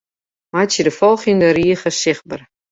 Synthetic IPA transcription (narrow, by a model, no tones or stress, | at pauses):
majsidəfɔlˠχindəriːəχəsɪχbər